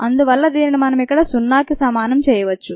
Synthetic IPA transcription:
ɐnd̪uʋɐlːɐd̪eːninimɐnɐmikːɐɽɐsunːaːkisɐmaːnɐmt͡ʃɛːjɐʋɐt͡ʃːu

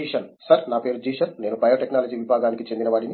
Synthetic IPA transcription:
iʃɐnsɐɾnaːpeːɾud͡ʒiːʃɐnːe̞ːnubɐjoːʈeknaːlɐd͡ʒiːʋibʱaːɡaːnikit͡ʃend̪inɐʋaːɽini

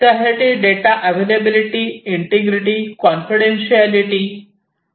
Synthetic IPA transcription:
t̪aɾeʈiɖeʈaʔəʋelebiliʈiiɳʈiɡɾiʈikɔnfiɽenɕialiʈi

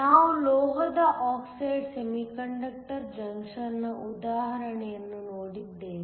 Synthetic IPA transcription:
naːʋulɔːɡɐd̪ɐʔaːksɐjɖsemikɐɳɖɐk̚ʈɐɾd͡ʒɐŋkʂɐlnɐʔud̪aːɦɐɾɐɳɛjɐnːunoːɽid̪ːeː

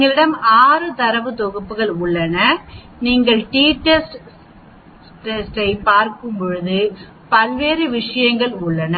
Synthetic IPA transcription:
iŋɡɐɭɪɽɐmaːɾɯt̪ɐɾɐʋɯt̪ɔɣɐpːɯɣɐɭʊɭːɐnɐ | niːŋɡɐɭʈiːʈːɐsʈ | ʈɛsʈɐɪpaːɾkɯmpɔɻɯðɯ | pɐlʋeːɾɯʋɪʂɐjɐŋɡɐɭʊɭːɐnɐ

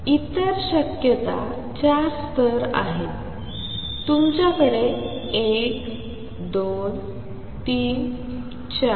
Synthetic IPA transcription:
it̪əɾɕəkjət̪a̰ | t͡ɕaɾst̪ʰəɾa̰ɦet̪ː | umt͡ɕjakəɾeek | d̪on | t̪iːn | t͡ɕa

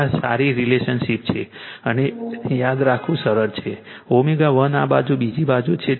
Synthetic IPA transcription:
sa̰ɾiɾileʃənʃip̚t͡ʃʰeənejad̪ɾakʰʋũsəɾəɾt͡ʃʰe | omeɡaʋənabad͡ʒubid͡ʒibad͡ʒut͡ʃʰe

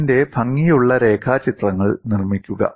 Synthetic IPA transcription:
nde̞bʱɐŋːijuɭːɐɾe̞ːkʰaːt͡ɕit̪rɐŋːɐɭnirmikʲːuɣɐ̰

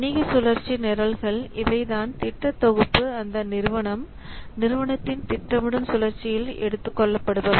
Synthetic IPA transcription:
niɣɐsʊlɐɾt͡ʃinɛɾɐlɣɐɭɪʋɐɪðaːnt̪ɪʈrɐt̪ːɔɣɯpːɯɐnd̪ɐnɪɾɯʋɐɳɐm | nɪɾɯʋɐɳɐt̪ːɪnt̪ɪʈrɐʋɪɽɯmsʊlɐɾt͡ʃɪjɪlɛ̰ɽɯt̪ːɯkːɔɭːɐpːɐɽɯʋɐðɯ

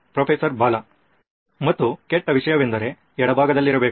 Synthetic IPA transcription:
pɾopʰesɐɾbaːlɐ | mɐt̪ːukeʈːɐʋiʂɐjɐʋe̞nd̪ɐɾe̞ | ɛɽɐbʱaːɡɐd̪ɐlːiɾɐbeːk

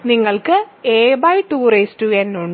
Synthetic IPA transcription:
niŋːɐɭkɨeːbɐjʈuːreːstuenːuɳɖ

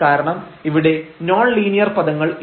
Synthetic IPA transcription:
aːɾɐɳɐmiʋiɽe̞noːɳliːnijɐrpɐðɐŋːɐɭ

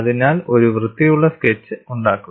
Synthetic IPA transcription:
ɐðinaːlo̞ɾuʋrɨd̪ːijuɭːɐsket͡ɕːɨuɳɖaːkːu

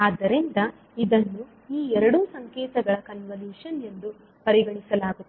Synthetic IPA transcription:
aːd̪ːɐɾind̪ɐ | id̪ɐnːu | iːɛɾɐɽuːsɐŋkɛːt̪ɐɡɐɭɐkɐnʋɐliːʂɐne̞nd̪u | pɐɾiɡɐɳisɐlaːɡut̪ːe

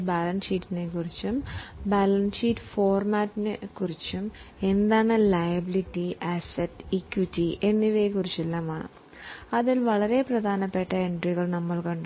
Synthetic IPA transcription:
baːlɐnsiːtːine̞kːurit͡ɕːumbalɐnsiːtːfo̞ːrmaːtːinɨkurit͡ɕːume̞nd̪aːɳɨlɐjɐbilitːiɐsɐtːikːʋitːie̞nːiʋekːurit͡ɕːelːaːmaːɳɨ̰ | ɐðilʋɐɭɐɾe̞prɐd̪ʱaːnɐpːe̞ʈːɐe̞ɳɖriɣɐɭnɐmːɐɭkɐɳɖ

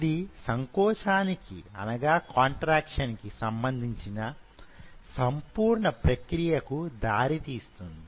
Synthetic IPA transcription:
id̪isɐŋkɔːt͡ʃaːnikḭɐ̰nɐɡaːkaːɳʈɾaːkʂɐnkisɐmbɐnd̪ʱiɲt͡ʃinɐ | sɐmpuːɾɳɐpɾɐkɾijɐkud̪aːɾit̪iːst̪und̪i

